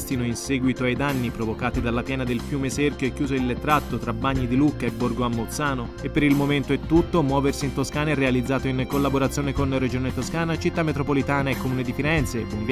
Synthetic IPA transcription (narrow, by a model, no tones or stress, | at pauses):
st̪inoinsɛːɡwit̪oajd̪anːipɾovokaːt̪id̪alːapjɛːnad̪elfjuːmeserkjoekːjuːzoilːet̪ːɾat̪ːot̪ɾabːaɲːid̪ilukːaebːorɡoamːot̪saːno | epːeɾilmoment̪oɛt̪ːut̪ːomwɔːversiint̪oskaːnaɛrealid̪zːaːt̪oinkolːaboɾat̪sːjoːnekonred͡ʒoːnet̪oskaːnat͡ʃit̪ːamːet̪ɾopolit̪aːnaekːomuːned̪ifiɾɛnt̪sebunɡ̪